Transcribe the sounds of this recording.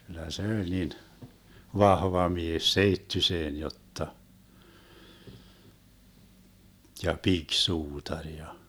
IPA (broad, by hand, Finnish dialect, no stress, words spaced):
kylːæ se olʲ nin ʋɑhʋɑ mies seitːyseːn jotːɑ jɑ piksuːtɑrʲ jɑ